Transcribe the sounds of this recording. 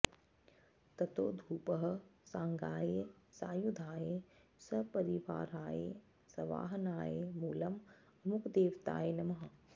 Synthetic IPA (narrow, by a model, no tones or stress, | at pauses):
t̪ɐt̪oːd̪ʱuːpɐɦɐ̆saːŋɡaːjesaːjud̪ʱaːjeː | sɐpɐɾiʋa̰ːɾaːjḛː | sɐʋa̰ːɦɐnaːjeːmuːlɐm | ɐmukd̪eːʋt̪a̰ːjeːnɐmɐɦɐ̆